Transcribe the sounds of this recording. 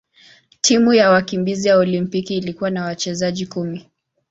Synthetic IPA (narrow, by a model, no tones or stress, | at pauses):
tʰimujawakimbizijaɔlimpikiːlikuwanawat͡ʃɛzaʄikumi